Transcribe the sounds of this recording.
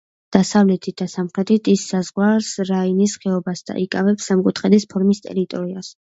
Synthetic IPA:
d̪̥asavlɛt̪ʰit̪̚d̪asamχɾɛt̪ʰit̪ʰisːazʁwaɾsɾainisχɛɔbasd̪a̰ʔikʼavɛpsamkʼut̪ʰχɛd̪ispʰɔɾmist̪ʼɛ̰ɾit̪ʼɔɾias

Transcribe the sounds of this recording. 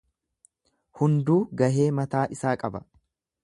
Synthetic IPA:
hʊnd̪uːɡɐɦe̞ːmɐt̪aːʔɪsaːkʼɐbɐ

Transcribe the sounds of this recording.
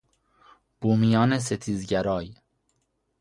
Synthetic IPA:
b̥uːmijɒːne̞s̬et̪ʰiːzɟæɾɒːj

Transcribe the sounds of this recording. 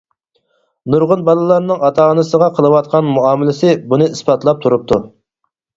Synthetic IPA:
nuɾʁʊnbɑlˠɨlˠɑɾnɨŋɑt̪ʰɑːnɨsəʁɑqʰəlˠəwɑt̪̚qʰɑnmuɑːmɪlɪsɪbunɨispɑt̪lˠɑp̚t̪ʰuɾup̚t̪ʰu

